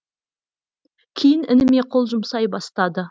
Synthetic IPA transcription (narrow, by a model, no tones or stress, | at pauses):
kʲʰijɪnɪnɪme̞qʰo̞lˠʒʊmsɑjbɑst̪ɑd̪ə